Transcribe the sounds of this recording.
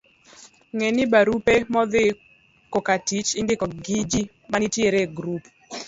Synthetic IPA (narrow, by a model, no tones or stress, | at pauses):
ŋɛnɪbaɾupemɔðɪ | kokatit͡ʃɪndɪkɔɡid͡ʒi | manitjeɾeɡɾup